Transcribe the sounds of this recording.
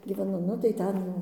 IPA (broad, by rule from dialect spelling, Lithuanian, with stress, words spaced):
ɡʲiːʋʲɛˈnʊ nʊ tɐɪ ˈtʲɛn jɛʊ